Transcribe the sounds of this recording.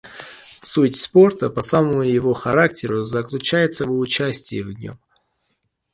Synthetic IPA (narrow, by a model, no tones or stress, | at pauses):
sutʲspo̞rt̪əpɐsaməmʊjɪvo̞xɐɾak̚tʲɪɾʊzəklʲʊt͡ɕæjɪt̪səvʊt͡ɕæsʲtʲɪjvnʲo̞̰m